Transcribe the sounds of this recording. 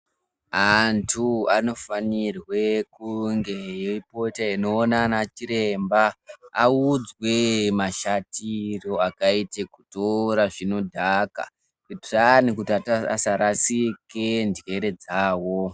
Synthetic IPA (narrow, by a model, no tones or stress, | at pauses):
antʰuano̞fanirwe̞kuŋɡe̞joipo̞taino̞ːnanat͡ʃiɾe̞mbaaud͡zwe̞maʃatiro̞akaitekutoɾaʐino̞dʱaka̰ | kutranikutiatasaɾasike̞ndɣe̞ɾe̞d͡zaːwo̞